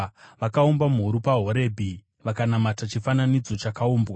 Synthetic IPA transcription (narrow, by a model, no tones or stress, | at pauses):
ʋakaombamɦuɾupaɦo̞ɾe̞bʱi | ʋakanamatat͡ʃifananid͡zo̞t͡ʃakaoːmbwa